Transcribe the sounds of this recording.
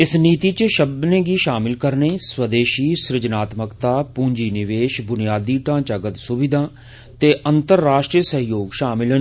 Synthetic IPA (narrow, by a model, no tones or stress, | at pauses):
ɪsniːt̪iːt͡ʃʃəb̚d̪neːɡiːʃaːmɪlkəɾneːswəd̪eːʃiːsɾɪd͡ʒnaːt̪məkt̪aːpũːɲd͡ʒiːnɪʋeːʃbʊnijaːd̪iːʈãːt͡ʃəɡət̪sʊʋɪd̪ʱãː | t̪eːʔənt̪əɾːaːʃʈɾiːsəɦjoːɡʃaːmɪlən